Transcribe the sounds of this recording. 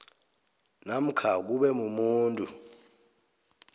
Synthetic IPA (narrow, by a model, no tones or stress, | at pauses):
nam̩kʰak̬uɓɛmumuːntʼu